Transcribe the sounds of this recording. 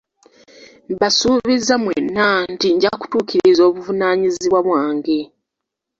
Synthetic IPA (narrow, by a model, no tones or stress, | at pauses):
mβasuːβizːamwḛnːantiɲɟaku̥tuːciɾizo̞ːβuvunaːɲiziβwaβwaːŋɡe